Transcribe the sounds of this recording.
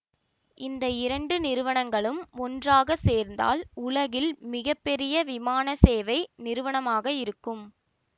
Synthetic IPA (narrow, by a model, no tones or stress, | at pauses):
ɪnd̪ɐɪɾɐɳɖɯnɪɾɯʋɐɳɐŋɡɐɭɯmɔndraːɣɐseːɾnd̪a̰ːlʊɭɐɣɪlmɪɣɐpːɛɾɪjɐʋɪmaːnɐseːʋɐɪnɪɾɯʋɐɳɐmaːɣɐɪɾɯkːɯm